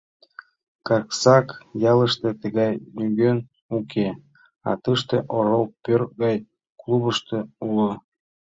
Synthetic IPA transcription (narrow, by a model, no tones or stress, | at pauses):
kɑksɑkjɑlə̆ʃt̪et̪əɣɑjlʲyɡʲøn | ukʲʰe | ɑ̰t̪əʃt̪eʔoɾolˠpørɣɑj | klˠuβəʃt̪eulɤ